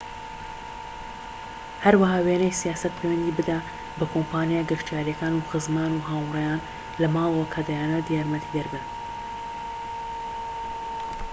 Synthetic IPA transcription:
hɐɾwahaːweːnɛjsijaːsɐt̪̚pʰewɛnd̪iːbɨd̪a | bɐkʰompaːnjaːɡɨɾt̪jaːɾijɛkaːnuːxɨzmaːnuːɦaːwrɛjaːn | lɐmaːwwokʰad̪ajaːnɐd̪ijaːɾmɛt̪ʰid̪ɐɾbɨ

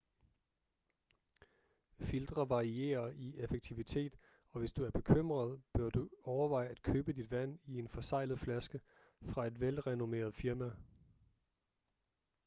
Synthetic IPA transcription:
fild̥ʁɐʋɑ̈ʁie̝̰ːɐiefeɡ̥̚t͡sʰiʋit͡sʰe̝̰ːd̥ | ɒ̽ʋe̝sd̥uæɐb̥e̝kʰøm̰ʁɐð̞ˠb̥ɶɐd̥uɒʊɐʋɑ̈ɪæd̥kʰøːb̥əd̥id̥ʋæn̰ie̝nfɒ̽sɑ̈ɪ̰lð̩ˠflæsɡ̥ə | fʁɑ̈e̝d̥ʋelʁɛno̝me̝̰ːɐð̞̩ˠfiɐmæ

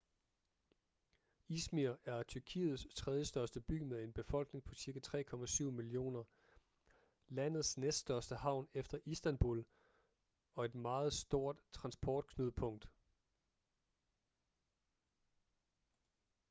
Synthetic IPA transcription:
ismiɐæɐt͡sʰyɐkʰḭːð̞̩ˠst͡sʰʁɛðˠjəsd̥ɶɐsd̥əb̥y̰ːmeðˠe̝nb̥e̝fɒ̽l̰ɡ̥ne̝ŋpʰɒ̽siɐɡ̥æt͡sʰʁɛ̰ːkʰɒ̽mæsyʊ̰milio̝̰ːnɐ | læn̰ð̞̩ˠsnesd̥sd̥ɶɐsd̥əhɑ̈ʊ̰nefd̥ɐʔisd̥ænb̥ul | ɒ̽e̝d̥mɑ̈ːð̞̩ˠsd̥o̝ɐ̰d̥t͡sʰʁɑ̈nsb̥ɒːd̥̚kʰnyðˠəpʰɔ̽ŋ̰d̥

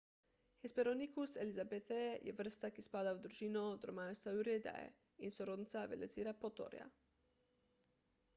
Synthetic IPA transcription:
xespeɾonikuselizabet̪ɛjɛ̰ʋr̩st̪akispaːd̪awd̪ɾuʒinod̪ɾomaːjst̪auɾed̪a̰ɛ̰ | insoɾod̪nit̪saʋḛleziɾapot̪o̰ɾja̰

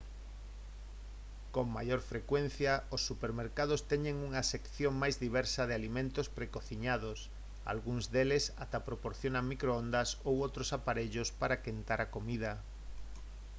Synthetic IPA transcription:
koŋma̰joɾfɾekwen̟θjɐosːupeɾmeɾkað̞ʊst̪ɛɲeŋuŋɐsekθjoŋmajzðiβ̞ɛɾsɐðɪalimẽnt̪ospɾekoθiɲað̞os | a̰lɣuŋzðelesat̪apɾopoɾθjonaŋmikɾoond̪ɐsowowt̪ɾosapaɾeʎospaɾakent̪aɾakomiðɐ

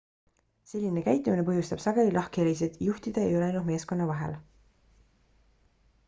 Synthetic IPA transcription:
se̞lʲːine̞kæjt̪ːˑumine̞p̬ɤ̞ɦjust̪ɑb̥sɑɡe̞lilʔɑhkeelis̬et̪juht̪id̪̥ɑḛjo̞leɑjnume̞ːsko̞nːɑvɑɦe̞̰l

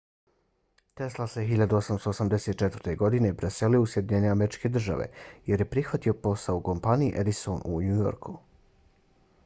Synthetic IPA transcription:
t̪e̞slˠaseɦiʎad̪uosamst̪oːsamd̪eset̪̚t͡ʃet̪vɾ̥t̪e̞ɡo̞d̪ine̞pɾeseliousje̞d̪iɲe̞ne̞ameɾit͡ʃke̞d̪r̩ʒa̰ʋḛje̞ɾje̞pɾixʋat̪io̞po̞saouko̞mpaniḭʔed̪isonʔṵɲujo̞̰ɾku

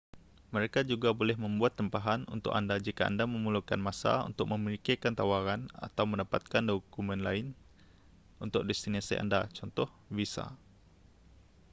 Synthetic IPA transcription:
məɾekad͡ʒuɡabolɛhmə̃mbuat̪ːəmpaɦanṵnt̪ʊ̰kandad͡ʒikaa̰ndamə̃muluka̰nmasa̰ṵnt̪ʊk̚mə̃məɾikekant̪awaɾana̰t̪awmə̃ndapat̪̚kandokumɛ̃nlaɪn | unt̪ʊk̚dɛst̪inasḭʔa̰ndat͡ʃɔnt̪ɔh | bisa̰

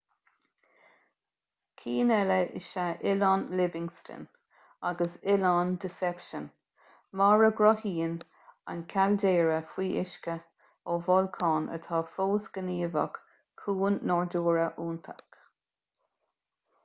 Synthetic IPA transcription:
kʰiːnɛləʔɪ̰ʃaʔɪlɑnlɪbɪŋstʰə̰n | aɡəsɪlɑnd̪ɪsɛpʃən | maɹəɡɹɔhiːn | a̰nkʰald̪eːɹəfwiːʔɪʃkə | oːvɔlkʰɑːnʔə̰t̪ʰɑːfoːsɡ̥əniːvə̰kʰː | uːnːɔɹduːɹəʔuːnt̪ʰak

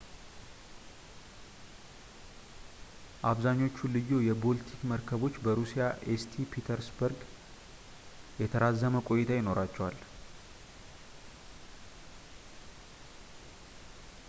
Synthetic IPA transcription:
ʔaβzaɲːo̞t͡ʃːulɨjːo̞jɛbo̞lt̪ʰikməɾkʰəβo̞t͡ʃːbəɾusijaʔest̪ʰipʰit̪ʰəɾsbəɾɡ | jɛt̪ʰəɾazːəməkʼo̞jt̪ʰajɪno̞ɾat͡ʃːɛwal

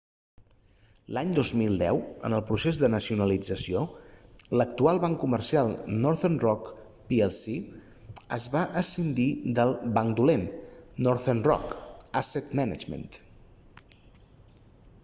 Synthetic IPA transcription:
laɲd̪ozmilˠd̪ɛ̰wə̰nəlˠpɾusezðənəsiunəlid͡zəsiolək̚t̪ualˠβaŋkumərsialˠnɔɾθenrɔk | piɛlˠsi | ə̰zβaʔəsind̪id̪əlˠbaŋkd̪ulenːɔɾθernrɔ̰kaset̪mɛna̰d͡ʒmə̰nt̪

